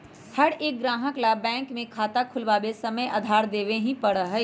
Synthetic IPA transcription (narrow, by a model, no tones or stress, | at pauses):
hɐɽeːk̚ɡɾaːɦəklabɛ̃ːŋkmẽkʰaːt̪akʰʊlʋaːbesɐməja̰ːd̪ʱaːɾd̪eːʋeɦĩpɐɽəɦɛ